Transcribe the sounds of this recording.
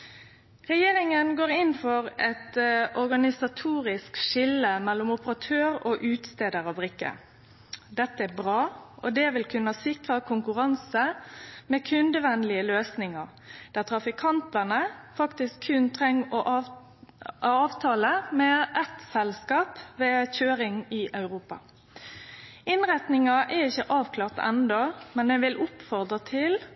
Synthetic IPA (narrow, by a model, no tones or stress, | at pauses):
ʁɛjeːɾɪŋənɡoːʁɪnfɔʁɛt̪ɔʁɡɑnɪsɑt̪ʰuːʁɪskʃɪləmɛlːʊmʊpəʁɑt̪ʰøːʁoːʔʉːt̪st̪eːd̪əɾɑbɾɪkːə̰ | d̪ɛt̪ːəæbʁɑːʔɔd̪ɛʋɪlkʰʉnːəhɑsɪkʁəkʰʊŋkʉʁɑnsəmɛːkʰʉnd̪əʋɛnlɪəløːsnɪŋəʁ | d̪̥æʁt̪ʰʁɑfɪkʰɑnt̪ɑnəfɑkt̪ɪskʰːʉnt̪ʰʁɛŋːɔʔ | ɑːʋt̪ʰɑːləmɛʔɛt̪sɛlskɑːpʋeːçøːɾɪŋɪʔɑʉʁuːpɑ̰ | ɪnʁɛt̪nɪŋɑʔɛʁɪçːəʔɑːʋkʰlɑːʁt̪ɛ̰nd̪ɔmɛnmɛʋɪlʔʊpfɔʁd̪ʁət̪ʰɪl